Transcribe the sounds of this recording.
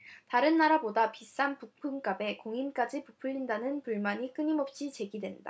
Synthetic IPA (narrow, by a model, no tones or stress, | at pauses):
taɾɯnːaɾabodapis͈anpuk̚pʰɯmk͈abe̞koŋimk͈ad͡ʑipupʰɯʎːindanɯnpuɭmaɲik͈ɯɲimʌp̚ɕ͈it͡ɕe̞ɡidwe̞nda̰